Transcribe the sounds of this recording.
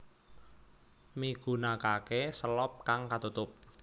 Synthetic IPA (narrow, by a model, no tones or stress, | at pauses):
miɡ̥ṳnakakesəlɔp̚kaŋkat̪ut̪ʊp̚